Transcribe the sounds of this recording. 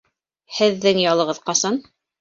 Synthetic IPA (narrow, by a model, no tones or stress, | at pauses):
hɘ̆ðːɘŋjɑlˠɤ̆ʁɤðqɑsɑn